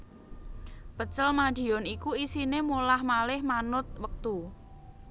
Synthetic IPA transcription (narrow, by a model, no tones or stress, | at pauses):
pət͡ʃəlmad̥i̤ɔnikuisinemulahmalɪhmanʊt̪̚wək̚t̪u